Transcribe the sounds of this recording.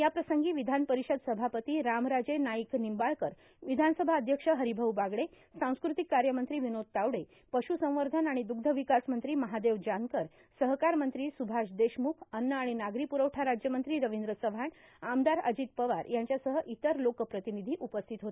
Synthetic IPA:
japɾəsəŋɡiːʋid̪ʱanpəɾiɕəd̪səbʱapət̪iːɾamɾad͡zenaiknimbaɭkəɾ | ʋid̪ʱansəbʱaːd̪ʱjəkʂəɦəɾibʱəʋbaɡɽe | sãw̃skɾut̪ikːaɾjəmənt̪ɾiːʋinod̪̚t̪awɽe | pəɕusə̃w̃ʋəɾd̪ʱənaɽ̃id̪uɡ̚d̪ʱəʋikasmənt̪ɾiːməɦad̪eʋd͡ʑaŋkəɾ | səɦkaɾmənt̪ɾiːsubʱaʂd̪eɕmukʰənːəaɽ̃inaɡɾipuɾəwʈʰaɾad͡ʑjəmənt̪ɾiːɾəʋind̪ɾəsəʋʱaɳamd̪aɾə̰d͡ʑit̪pəʋaɾjaɲt͡ɕjasəɦəʔit̪əɾlokpɾət̪inid̪ʱiːʔupəst̪ʰit̪ɦot̪e

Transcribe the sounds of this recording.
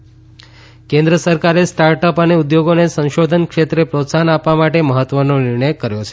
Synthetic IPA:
kẽnd̪ɾəsəɾkaɾesʈaɾʈəpəneud̪joɡonesə̃ʃod̪ʱənkʃet̪ɾepɾot̪saɦənapʋamaʈeməɦət̪ʋənonɪɾɳəjkəɾjot͡ʃʰe̥

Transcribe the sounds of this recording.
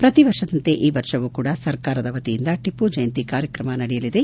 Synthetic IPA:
pɾɐt̪iʋɐɾʂɐd̪ɐnt̪eʔiːʋɐɾʂɐʋukuːɽɐsɐɾkaːɾɐd̪ɐʋɐt̪ijind̪ɐʈipud͡ʒɐjɐnt̪ikaːɾjɐkɾɐmɐnɐɽɛjɐlid̪e̞

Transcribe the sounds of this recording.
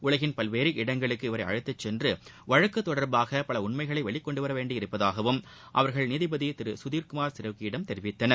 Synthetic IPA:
ʔʊɭɐɣɪnpɐlʋeːɾiʔɪɽɐŋɡɐɭɯkːɯɪʋɐɾɐɪɐ̰ɻɯt̪ːɐt͡ʃːɛndrɯʋɐɻɐkːɯt̪ːɔɽɐɾbaːɣɐpɐlɐʊɳmɐɪɣɐɭɐɪʋɐɭɪkːɔɳɖɯʋɐɾɐʋeːɳɖɪɪɾɯpːɐðaːɣɐʋɯm | ʔɐ̰ʋɐɾɣɐɭniðɪbɐðit̪ɪɾɯsʊðiːɾkɯmaːɾsɪɾɐʋkiɪɽɐmt̪ɛɾɪʋɪt̪ːɐnɐ

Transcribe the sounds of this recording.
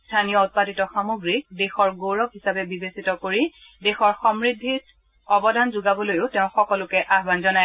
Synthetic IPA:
stʰanijɔʊt̚paditɔxamoɡɹik̚dexɔɹɡoɹɔkɦisabɛbibesitɔkoɹi | dexɔɹxɔmɹidʱːit | ɔbɔdʱanzʊɡabɔlojʊteʊ̃xɔkɔlʊkɛʔaɦbanzɔnaj

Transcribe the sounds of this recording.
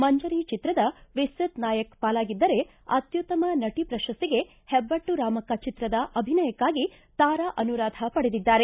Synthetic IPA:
mɐɲd͡ʒɐɾiːt͡ʃit̪ɾɐd̪ɐʋisɾɐt̪naːjɐkpaːlaːɡid̪ːɐɾe̞ | ɐ̰t̪jut̪ːɐmɐnɐʈipɾɐʃɐst̪iɡe̞ | hɛbːɐʈːuɾaːmɐkːat͡ʃit̪ɾɐd̪ɐʔɐbʱinɐjɐkːaːɡi | t̪aːɾaʔɐnuɾaːd̪ʱɐpɐɽed̪id̪ːaːɾe̞

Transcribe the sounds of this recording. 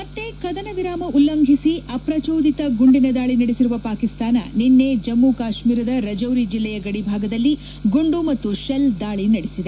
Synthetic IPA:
mɐt̪ːekɐd̪ɐnɐʋiɾaːmɐulːɐŋɡʱisiɐpɾɐt͡ʃoːd̪it̪ɐɡuɳɖinɐd̪aːɭinɐɽesiɾuʋɐpaːkist̪aːnɐ̰ninːed͡ʒɐmːukaːʃmiːɾɐd̪ɐɾɐd͡ʒɐwɾid͡ʒilːɛjɐɡɐɽibʱaːɡɐd̪ɐlːi | ɡuɳɖumɐt̪ːuʃɐld̪aːɭinɐɽesid̪e

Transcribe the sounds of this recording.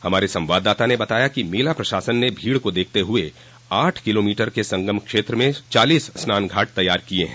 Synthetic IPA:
hɐmaːɾesɐ̃mʋaːd̪ːaːt̪anebɐt̪aːjakimeːlapɾɐʃaːsənːebʱiːɽkod̪eːk̚ʰt̪eɦʊe | aːʈʰkɪloːmiːʈəɾkesɐ̃ŋɡəmkʃeːt̪ɾəmẽt͡ʃaːliːsːnaːnɡʱaːʈ̚t̪ɐjːaːɾkieɦɛ̃ː

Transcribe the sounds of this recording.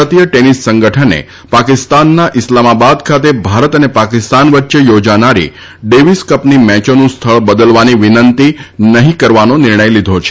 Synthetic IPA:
ət̪ijəʈenisːəŋɡəʈʰənḛ | pakɪst̪anːaʔɪslamabad̪kʰat̪ebʱaɾət̪ənepakɪst̪anʋət̪ːʃejod͡ʒanaɾḭ | ɖeʋiskəpnimɛt͡ʃonũst̪ʰəɭbəd̪əlʋaniʋɪnənt̪inəɦĩkəɾʋanonɪɾɳəjlid̪ʱot͡ʃʰe̥

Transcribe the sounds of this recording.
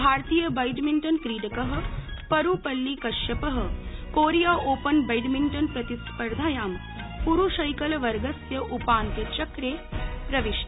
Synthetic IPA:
bʱaːɾt̪iːjɐbɐjɖmiɳʈɐnkɾiːɽɐkəɦə̆pɐɾuːpɐlːikɐʃjɐpɐɦɐ̆koːɾijaːʔoːpɐnbɐjɖmiɳʈɐnpɾɐt̪ispɐɾd̪ʱaːjaːm | puɾuʃɐjkɐlʋɐɾɡɐsjɐʔupaːnt̪jɐt͡ʃɐkɾeːpɾɐʋiʃ

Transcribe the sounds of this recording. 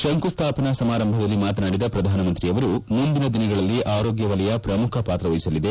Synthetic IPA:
ʃɐŋkust̪ʰaːpɐnɐsɐmaːɾɐmbʱɐd̪ɐlːimaːt̪̬ɐnaːɽid̪ɐpɾɐd̪ʱaːnɐmɐnt̪ɾijɐʋɐɾumund̪inɐd̪inɐɡɐɭɐlːiʔaːɾo̞ːɡjɐʋɐlɛjɐpɾɐmukʰɐpaːt̪ɾɐʋɐjisɐlːid̪e̞

